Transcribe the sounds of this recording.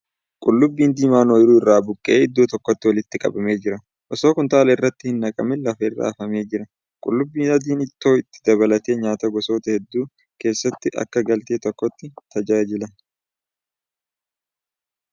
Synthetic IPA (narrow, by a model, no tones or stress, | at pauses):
kʼʊlːʊbːiːnd̪iːmaːnoːjɪɾuːɪrːaːbʊkʼːɛʔeːɪd̪ːuːt̪ɔkːɔt̪ːɪwɐlɪt̪ːɪkʼɐ̰bɐme̞ːd͡ʒɪɾɐ | ʔɔso̞ːkʊnt̪aːlɐɪrːɐt̪ːɪhɪnːɐkʼɐmɛlɐfɐɪrːa̰ːɐfɐme̞ːd͡ʒɪɾɐ | kʼʊ̰lːʊbːiːnɐd̪iːnɪt̪ːo̞ːɪt̪ːɪ̥d̪ɐβɐlɐt̪eːɲaːt̪ɐɡɔso̞ːt̪ɐhɛd̪ːuː | ke̞ːsːɐt̪ːɪʔɐ̰kːɐɡɐlt̪eːt̪ɔkːɔt̪ːɪt̪ʰɐd͡ʒaːd͡ʒɪlɐ